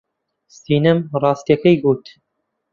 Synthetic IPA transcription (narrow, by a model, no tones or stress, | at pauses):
siːnɨmrˤɑːst̪ijɐkɐjɡuːt̪